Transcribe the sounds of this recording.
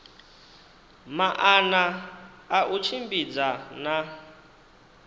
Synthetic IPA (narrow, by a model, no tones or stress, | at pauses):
maʔanaː | ʔut͡ʃʰimbid͡zana